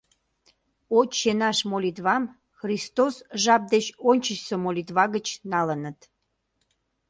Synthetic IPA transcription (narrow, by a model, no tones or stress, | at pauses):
ot͡ɕːenɑʃmolʲit̪βɑm | xrist̪osʒɑp̚d̪et͡ɕonʲt͡ɕəɕsəmolʲit̪βɑɣət͡ɕnɑlənət̪